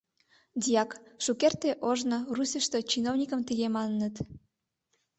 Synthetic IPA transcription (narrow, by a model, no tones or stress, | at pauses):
d̪ʲijɑkʃukert̪eʔoʒnorusʲəʃt̪ət͡ɕinownʲikə̆mt̪əɣemɑnːət̪